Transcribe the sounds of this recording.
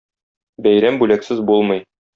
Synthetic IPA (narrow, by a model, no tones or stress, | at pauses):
bæjɾæmbʉlæksɘzbulˠmɤ̆j